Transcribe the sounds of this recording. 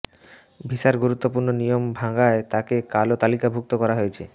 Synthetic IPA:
bʱiʃaɾɡuɾut̪ːopuɾnonijombʱaŋɡaet̪akekalot̪alikabʱuk̚t̪okɔɾaɦojet͡ɕʰe

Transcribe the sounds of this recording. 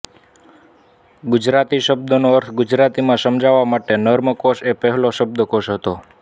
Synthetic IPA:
ɡʊd͡ʒɾat̪iʃəb̚d̪ənoəɾt̪ʰɡʊd͡ʒɾat̪imãsəmd͡ʒaʋamaʈenəɾməkoʃepɛɦloʃəb̚d̪ʱəkoʃɦət̪o

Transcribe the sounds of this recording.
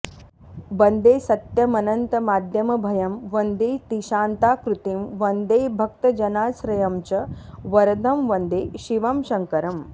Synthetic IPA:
bɐnd̪eːsɐt̪jɐmɐnɐnt̪ɐmaːd̪ʱjɐmɐbʱɐjɐmʋɐnd̪eːt̪iʃaːnt̪aːkɾut̪imʋɐnd̪eːbʱɐk̚t̪ɐd͡ʒɐnaːsɾɐjɐmt͡ʃɐʋɐɾɐd̪ʱɐmʋɐnd̪eːʃiʋɐmʃɐŋkɐɾɐm

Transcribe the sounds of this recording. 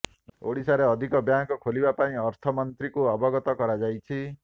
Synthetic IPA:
o̰ɽisaɾeɔd̪ʱikɔbjaŋkɔkʰolibapaĩɔɾt̪ʰɔmɔnt̪ɾikuɔbɔɡɔt̪ɔkɔɾad͡ʒajt͡ʃʰi

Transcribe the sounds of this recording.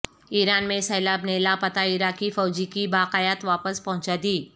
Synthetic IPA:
iːɾaːnmẽsɐːlaːbneːlapɐt̪aɪɾaːkifɔːd͡ʒikibaːqajət̪ʋaːpəspɐɦʊ̃t͡ʃad̪iː

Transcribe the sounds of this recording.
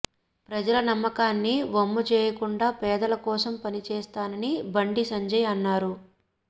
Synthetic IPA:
pɾɐd͡ʒɐlɐnɐmːɐkaːnːiʋɐmːɐt͡ʃɛːjɐkuɳɖaːpɛːd̪ɐlɐkɔːsɐmpɐnit͡ʃɛːst̪aːnɐnibɐɳɖisɐɲd͡ʒɐjɐnːaːɾu

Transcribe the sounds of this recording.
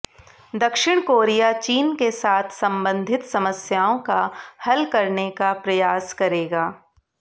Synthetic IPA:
d̪ɐkʃɪɽ̃koːɾijat͡ʃiːnkesaːt̪ʰsɐ̃mbə̃nd̪ʱɪt̪sɐməsjaːõkahɐlkɐɾnekapɾɐjaːskɐɾeːɡaː

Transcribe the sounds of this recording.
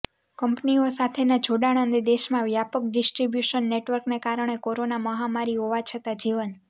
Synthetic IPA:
kəmpniosat̪ʰenad͡ʒʱoɽaɽ̃ənd̪id̪eʃmãʋjapək̚ɖɪsʈɾibjuʃənːeʈʋəɾknekaɾəɳ̃ekoɾonaməɦamaɾiɦoʋat͡ʃʰət̪ad͡ʒiʋən

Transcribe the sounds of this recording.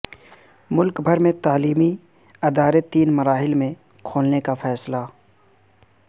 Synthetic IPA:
mʊlkbʱəɾmẽt̪aːliːmi | ɐd̪aːɾet̪ːiːnmɐɾaːɦɪlmẽ | kʰoːlnekafɛːsla

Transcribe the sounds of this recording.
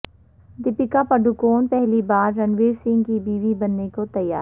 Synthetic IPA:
d̪ɪpɪkapɐɖʊkoːnpɛɦlibaːɾːɐnʋeːɾsɪ̃ŋɡkibiːʋibɐnːekot̪ɐjːa̰ː

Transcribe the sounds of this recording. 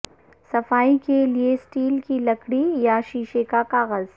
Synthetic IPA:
sɐfaːikeliesʈiːlkilɐkɽijaʃiːʃekakaːɣəz

